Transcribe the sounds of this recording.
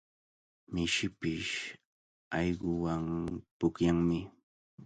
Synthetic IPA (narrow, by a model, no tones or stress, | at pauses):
mɪʃɪpɪʃ | ɑjɢʊwaŋpʊkjaŋmɪ